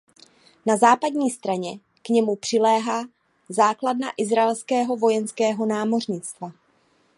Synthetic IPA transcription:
nazaːpadɲiːst̪ɾaɲɛ | kɲɛmupr̝̥ɪlɛːɦaː | zaːkladna̰ʔɪzɾaɛlskɛːɦo̞vo̞jɛnskɛːɦo̞naːmo̞r̝ɲɪt͡st̪va

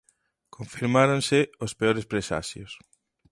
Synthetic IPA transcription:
kʰõɱfiɾmaɾonsɪospeoɾespɾesa̰ʃjo̰s

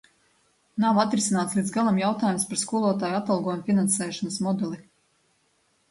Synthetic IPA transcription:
nawat̪ɾisinaːt̪slid̪zɡalˠamjawt̪aːjumspaɾskuːlˠoɔt̪̬aːjat̪alˠɡɔjmfʲinansɛːʃɔnəsmɔd̪ɛlˠi

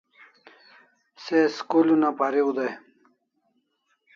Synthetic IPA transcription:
seskulunapaɾiud̪aj

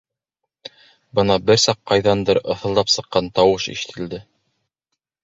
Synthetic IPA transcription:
bɤnɑbɘɾsɑqːɑjðɑnd̪ɤɾɤ̆θɤ̆lˠd̪ɑpsɤ̆qːɑnt̪ɑwɤʃḭʃɘ̥̆t̪ʰɘ̆ld̪ɘ

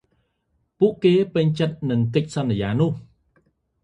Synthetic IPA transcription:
puəʔkeːpɨɲt͡ɕət̪̚nɨŋkɨc̚sɑnːijaːnʊ̆əh

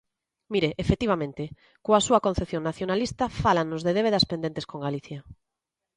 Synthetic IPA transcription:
miɾeʔefet̪iβamẽnt̪ɪ | koasuɐkon̟θeθjoŋnaθjonalist̪afalanʊzðeðeβeðaspend̪ẽnt̪eskoŋɡaliθja

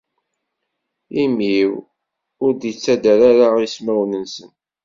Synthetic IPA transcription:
imiw | ʊɾd̪jət͡sːæd̪aɾaɾaismæwnənsən

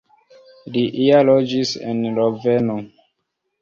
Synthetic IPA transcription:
liʔialɔd͡ʒisḛnloveno

